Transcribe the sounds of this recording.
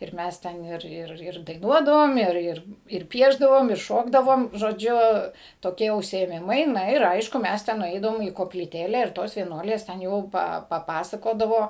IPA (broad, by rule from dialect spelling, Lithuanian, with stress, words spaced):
ɪr ˈmʲæs ˈtʲɛn ˈɪr ˈɪr ˈɪr dɐɪˈnuɔdɐʋoːm ˈɪr ˈɪr ɪr ˈpʲiɛʒdɐʋoːm ɪr ˈʃoːɡdɐʋoːm ʒoːˈd͡ʒʲʊ toːˈkʲiɛ ʊʃʲsʲɪeːˈmʲɪmɐɪ ˈnɐ ɪr ˈɐɪʃkʊ ˈmʲɛs tʲɛn nʊˈɛɪdɐʋoːm iː koːpʲlʲiːˈtʲeːlʲɛ ɪr ˈtoːs ʋʲiɛˈnuɔlʲeːs tʲɛn ˈjɛʊ ˈpɐ pɐˈpɑːsɐkoːdɐʋoː